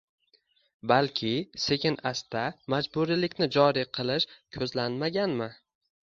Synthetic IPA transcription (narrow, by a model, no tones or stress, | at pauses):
balkʲʰɪse̞kʲʰɪnast̪amad͡ʒbuɾilɪkʲnɪd͡ʒɒɾiqʰɨlˠɪʃkʲʰɵzlanmaɡʲanmɪ